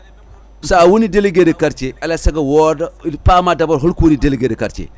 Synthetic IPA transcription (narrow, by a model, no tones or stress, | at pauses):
sawunideleɡedekaɾt͡ʃealesɐɡɐwɔːɾdɐpamadɐbɐɾɦolkuwunideleɡedekaɾt͡ʃḛ